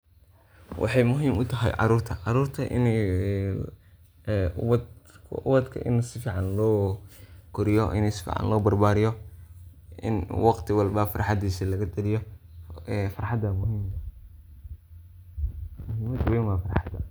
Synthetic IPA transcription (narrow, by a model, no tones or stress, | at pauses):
wʔɑ̰ħɑjmʊɦiːmʊt̪ʰɐɦɛ̰jʕɑ̰ɾuːrt̪ʰɐʕɑɾuːrt̪ʰɐʔɪ̰n | kʰʊ̰βɐd̪kʰɐ̰ʔɪ̰nsɪfiːʕɑnlɔː | kʰʊɾɪjɔʔɪ̰nɛsɪ̥fḭːʕɑ̰nlɔːbɐrbaːɾɪjɔ | ɪ̰nwɑqt̪ʰɪwɑlbɐfɑrħɑd̪iːsilɐɣɐd̪ɐlɪjɔ | fɑrħɑd̪ɐmʊɦiːmɐ | mʊɦiːmɐd̪wɛmɐfɑrħɑd̪ɐ̰